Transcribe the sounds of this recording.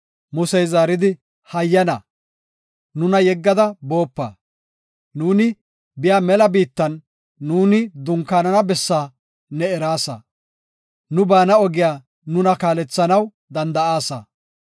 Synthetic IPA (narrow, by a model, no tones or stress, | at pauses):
mʊsɛjzaːɾɪd̪ɪ | hɐjːɐnɐ | nʊnɐjɛɡːɐd̪ɐbo̞ːpːa̰ː | nuːnɪ | bɪjaːmɛlɐbiːt̪ːɐnː | uːnɪd̪ʊŋkːaːnɐnɐbɛsːaː | nɛɛɾaːsɐ̰ | nʊbaːnɐɔɡɪjaː | nʊnɐkaːlɛt͡sːɐnɐw | d̪ɐnd̪ɐʔaːsɐ̰